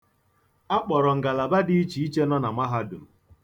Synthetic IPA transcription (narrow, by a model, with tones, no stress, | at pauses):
a˦k͡pɔ˨ɾɔ˨ŋ̩˨ɡa˨la˨ba˦di˦i˦t͡ʃi˨i˦t͡ʃe˦nɔ˦na˨ma˦ɦa˦dʊ̰˨m̩˨